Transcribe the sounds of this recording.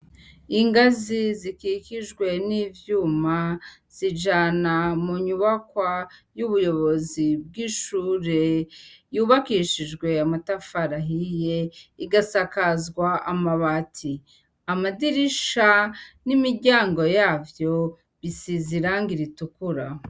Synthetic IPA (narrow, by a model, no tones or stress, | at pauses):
iŋɡazizikiciʒɡwe̞niːvjuːmaz̥iʒanamuɲuβakwajuβujo̞βo̞zib̚ɡiːʃuːɾe̞juːβakiːʃiʒɡwe̞amatafaɾaɦije̞iɡasakazɡwaʔamaβatʰi | amadiɾiʃanimiɾɟaːŋɡo̞jaːvjo̞ | βisiziɾaŋɡiɾitukuɾa